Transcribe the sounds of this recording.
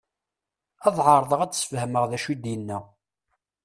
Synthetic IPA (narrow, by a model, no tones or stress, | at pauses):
ɑðˤʕɑɾˤðˤəʁæt͡ssə̥fhəməʁðæʃid̪jənːæ